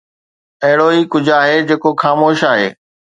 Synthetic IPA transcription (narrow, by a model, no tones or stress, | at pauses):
ɐɦɪɽoikʊd͡ʑʱaːɦed͡ʑeːkoxaːmoːʃaːɦeː